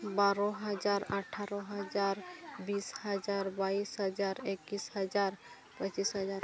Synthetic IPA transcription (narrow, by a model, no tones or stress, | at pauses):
baɾɔ̃ɦəd͡ʒaɾəʈʰaɾɔ̃ɦəd͡ʒaɾbisɦəd͡ʒaɾbaisɦəd͡ʒaɾekːisɦəd͡ʒaɾ | pət͡ʃisɦəd͡ʒaɾ